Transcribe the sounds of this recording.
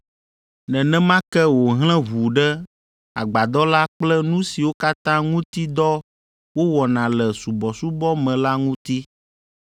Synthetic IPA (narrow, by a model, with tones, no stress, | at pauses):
nɛ̃˨nɛ̃˦mã˦kɛ˦wo˨ɦl̃ɛ̃˦vu˨ɖɛ˦ | a˨ɡ͡ba˨d̪ɔ˦la˦k͡plɛ˦nũ˦si˨wo˦ka˦t̪ã˦ŋũ˦t̪i˦d̪ɔ˦ | wo˦wɔ˨nã˨lɛ˨su˨bɔ˨su˦bɔ˦mɛ̃˨la˦ŋũ˦t̪i˦